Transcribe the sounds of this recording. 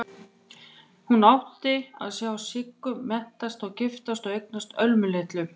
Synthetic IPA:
hunawht̪ɪa̰ðsjawasɪkːʏːɛht̪ast̪ɔɣcɪft̪ast̪ɔɣejk̚nast̪œlmʏlɪht̪lʏ

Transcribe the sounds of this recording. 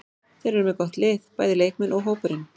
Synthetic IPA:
θɛjɾɛɾmɛðkɔht̪lɪːðpaːjðɪleːjkmɛnʔɔɣɦoːwpʏɾɪn

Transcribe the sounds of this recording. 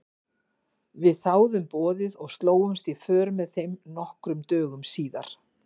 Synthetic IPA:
vɪðθaːwðʏmpɔːðɪðɔɣst̪loːwʏmst̪ifœːɾmɛðθejmnɔhkɾʏmt̪œːɣʏmsiːða̰ɾ̥

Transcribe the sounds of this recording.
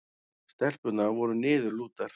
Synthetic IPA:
st̪ɛr̥pʏt̪navɔɾʏnɪːðʏluːt̪aɾ̥

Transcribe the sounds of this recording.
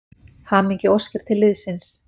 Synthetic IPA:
haːmiɲcɪɔscɪɾ̥t̪ʰɪlːɪðsɪns

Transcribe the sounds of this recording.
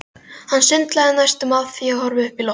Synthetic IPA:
hanːsʏnt̪laðɪnajst̪ʏmaðθiːahɔɾvɪʏhpilɔ

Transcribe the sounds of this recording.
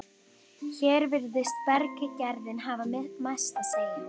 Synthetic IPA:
çɛːɾvɪɾðɪst̪̚pɛɾkɪcɛɾðɪnɦaːvamɪðt̪majst̪aseːjɣɪ

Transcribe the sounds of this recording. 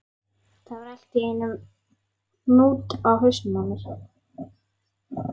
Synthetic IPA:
θavaɾɛl̥t̪ɪeːjnʏm | nuːt̪awɦʏsnanʏɾ̥

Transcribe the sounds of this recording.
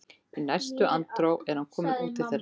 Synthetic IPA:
inajrst̪ʏʔant̪ɾowɛɾ̥hankʰɔːmɪnuːt̪ɪlθɛr

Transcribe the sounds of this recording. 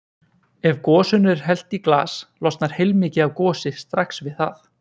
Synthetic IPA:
ɛvkɔːsʏnʏɾ̥ɦɛl̥t̪ikla̰ːslɔst̪naɾ̥hejlmɪːcɪawkɔːsɪst̪ɾaksvɪðθaθ

